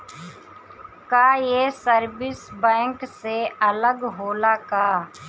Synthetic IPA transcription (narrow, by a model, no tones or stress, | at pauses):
kaːjeːsəɾbɪsbɛ̃ːŋkseələɡɦoːlaːkaː